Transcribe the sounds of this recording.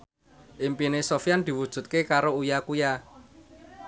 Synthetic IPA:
ʔɪmpinesofijand̪̥i̤wud̥ʒ̥ṳt̪̚kekaɾoujakuja

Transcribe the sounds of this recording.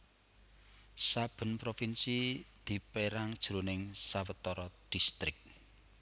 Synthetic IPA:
sab̥ə̤npɾofinsid̪̥i̤peɾaŋd̥ʒ̥ɾonɪŋsawət̪ɔɾɔd̪̥i̤st̪ɾɪk̚

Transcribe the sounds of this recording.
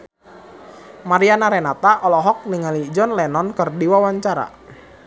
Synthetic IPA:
maɾianaɾɛnat̪aʔɔlɔɦɔk̚niŋalid͡ʒɔnlɛnɔnkərdiwawaɲt͡ʃaɾa̰

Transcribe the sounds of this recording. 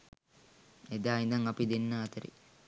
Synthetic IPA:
ed̪aːind̪ɐŋɐpid̪enːaːt̪əɾḭ

